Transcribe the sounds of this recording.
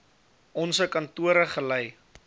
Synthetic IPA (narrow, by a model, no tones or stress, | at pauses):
ʔɔnsəkɐntuəɾəχəlɛj